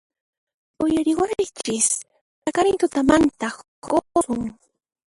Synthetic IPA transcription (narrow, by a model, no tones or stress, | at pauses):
ʊjaɾɪwajt͡ʃɪs | t̪akaɾɪnt̪ʊt̪amant̪a | koɾʊŋ